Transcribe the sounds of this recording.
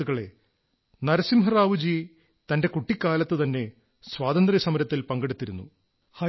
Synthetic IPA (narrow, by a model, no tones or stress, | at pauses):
uɣɐɭe̞̰ | nɐɾɐsimɦɐraːʋud͡ʑi | t̪ɐnde̞kuʈːikʲːaːlɐt̪ːɨt̪ɐnːe̞ | sʋaːd̪ɐnd̪risɐmɐɾɐt̪ːilpɐŋɡe̞ɽut̪ːiɾunːṵ | hɐ